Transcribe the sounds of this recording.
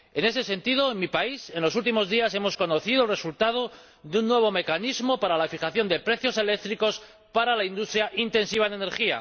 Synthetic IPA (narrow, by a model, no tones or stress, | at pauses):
e̞ne̞se̞se̞nt̪ið̞o̞enmipaise̞nlo̞sult̪̬imo̞zðiase̞mo̞sko̞no̞θiðolre̞sult̪að̞o̞ | ðeunːwe̞βo̞me̞kanizmo̞paɾalafiχaθjo̞nd̪e̞pɾe̞θjo̞se̞le̞k̚t̪ɾiko̞s | paɾalaind̪ust̪ɾjaʔint̪e̞nsiβ̞anene̞ɾχia̰